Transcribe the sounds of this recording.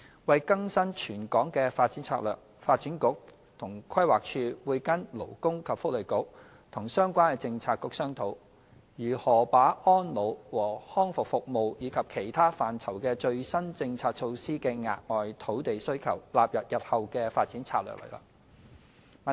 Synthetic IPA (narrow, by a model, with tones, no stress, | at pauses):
wɐ˨jkɐ˥ŋsɐ˥nt͡ʃʰyː˨˩nkɔː˨˥ŋkɛː˧faː˧t̚t͡siː˨˥nt͡sʰaː˧t̚œ̰ː˨˩k̚faː˧t̚t͡si˨˥nkʊ˨˥k̚ | t̪ʰʊ˨˩ŋkʰɐ˥jwaː˨k̚t͡ʃʰyː˧wuː˨˧jkɐ˥nlo˨˩wkʊ˥ŋkʰɐ˨p̚fʊ˥k̚le˨˩jkʊ˨˥k̚ | t̪ʰʊ˨˩ŋsœː˥ŋkʷaː˥nɛ˧t͡sɪ˧ŋt͡sʰaː˧t̚kʊ˨˥k̚sœː˥ŋt̪ʰo˨˥w | jyː˨˩hɔː˨˩paː˨˥ʔɔː˥nlo˨˧wwɔː˨˩hɔː˥ŋfʊ˨k̚fʊ˨k̚mo˨˧wjiː˨˧˥kʰɐ˨p̚kʰe˨˩jt̪ʰaː˥faː˨nt͡sʰɐ˨˩wkɛː˧t͡ʃɵ˧ɥsɐ˥nt͡sɪ˧ŋt͡sʰaː˧t̚t͡ʃʰo˧wsiː˥kɛː˧ŋa̰ː˨t̚ŋɔː˨jt̪ʰo˨˥wt̪e˨jsɵ˥ɥkʰɐ̰˨˩wlaː˨p̚jɐ˨p̚jɐ˨t̚hɐ˨wkɛː˧faː˧t̚t͡siː˨˥nt͡sʰa̰ː˧t̚lœ̰˨˩k̚lə̰˨˩kla̰˨ | m˨